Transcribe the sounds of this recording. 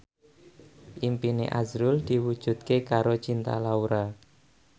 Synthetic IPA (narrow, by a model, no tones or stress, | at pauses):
ʔimpinḛʔazɾʊld̪̥i̤wud̥ʒ̥ṳt̪̚kekaɾot͡ʃint̪a̰lauɾa